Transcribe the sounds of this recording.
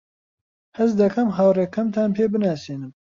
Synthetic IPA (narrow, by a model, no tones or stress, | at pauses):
hɐzd̪ɐkʰɐmɦaːwreːkʰːɐmt̪ʰaːnpʰeːbɨnaːsiːnɨm